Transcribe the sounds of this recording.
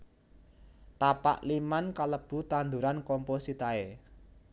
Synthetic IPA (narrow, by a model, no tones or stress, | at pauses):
t̪apa̰ʔlimankaləb̥ṳt̪and̪uɾankɔmposit̪ae